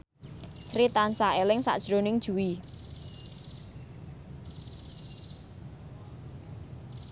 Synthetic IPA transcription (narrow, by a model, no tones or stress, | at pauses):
sɾit̪ansaelɪŋsa̰ʔd̥ʒ̥ɾonɪŋd̥ʒ̥ṳwi